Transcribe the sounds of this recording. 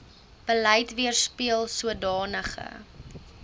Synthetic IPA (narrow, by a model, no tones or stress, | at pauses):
b̥əlɛjtviərspiəlˠsuədɑːnəχə̰